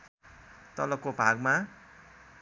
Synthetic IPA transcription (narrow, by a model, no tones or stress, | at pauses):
t̪ʌlʌkːobʱaɡma